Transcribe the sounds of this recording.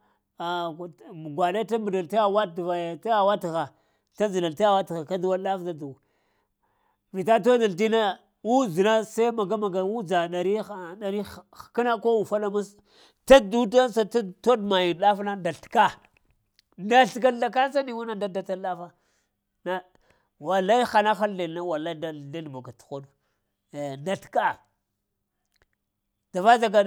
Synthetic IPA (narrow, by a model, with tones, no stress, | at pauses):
a˨ | ɡʷa˨le˦ta˦mu˨da˨lta˦ja˦wa˦dva˨ja˨ta˦ja˨wa˦ti˨ɣa˨ | ta˦zi˨na˨lta˦ja˦wa˦ti˨ɣa˨ka˦du˨˦wa˦lɗa˦fda˦du˨ | vi˨ta˦t̬o˦da˨lt̬i˦na˦ | wu˦zi˨na˦sa˦ma˨ɡa˦ma˨ɡa˨wu˦d͡za˨ɗa˨ɾi˦˨ɗa˨ɾi̥˦˨ki˦na˦ko˦wu˨fa˦la˦ma˦s | ta˦du˦ta˦sa˦ta˦to˦dma˨ji˨n˨ɗa˦fna˦nda˨ɬka˦ | nda˨ɬka˦a˨k̬a˦sa˦ni˨wu˦na˦da˦da˨ta˦a˦fa˦ | na˦ | wa˨lːa˦i˦xa˨na˦xa˦le˨lna˦wa˨la˦da˨e˦n˨ba˨ɡa˨tu̥˨xo˦du˨ | nda˨ɬka˦˨ | d̥a˨va˦za˨ɡa˨